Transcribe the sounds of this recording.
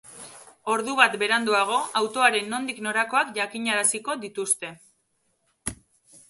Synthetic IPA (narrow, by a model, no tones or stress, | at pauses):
o̞ɾðuβat̪be̞ɾand̪uaɣ̞o̞awt̪o̞aɾe̞nːo̞nd̪ikno̞ɾako̞akʝakiɲaɾasiko̞ðit̪ust̪e̞